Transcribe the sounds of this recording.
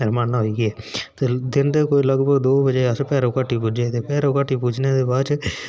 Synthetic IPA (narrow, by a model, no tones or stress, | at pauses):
ɪɾmaːnaɦoiːɡiɛːt̪eːd̪ɪnd̪eːkoːiːləɡbəɡd̪oːbəd͡ʒeəspɛːɾõːkaːʈʰiːpuːd͡ʒet̪eːpɛːɾõːkaːʈʰiːpuːd͡ʒneːd̪eːbaːt͡ʃ